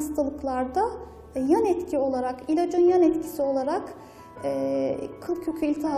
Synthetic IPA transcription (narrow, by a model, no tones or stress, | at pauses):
st̪ʰalˠɯklˠaɾd̪a | janɛt̪cʰio̞lˠaɾakilʲod͡ʒonjanɛt̪cʰi̥sio̞lˠaɾakː | kʰɯlˠcʰøcʲʰyilʲt̪ʰaa